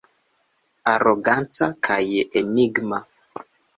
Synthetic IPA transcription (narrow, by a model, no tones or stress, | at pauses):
aɾoɡantakʰajeniɡma